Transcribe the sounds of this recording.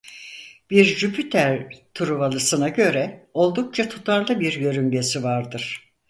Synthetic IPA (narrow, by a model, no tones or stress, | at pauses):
b̥iɾd͡ʒypʰit̪ʰæɾt̪ʰuɾuβalˠɯsɯnaɟø̞ɾɛo̞lˠd̪uk̚t͡ʃʰat̪ʰut̪ʰaɾlˠɯbiɾjø̞ɾyɲɟe̞sivaɾd̪ɯɾ̥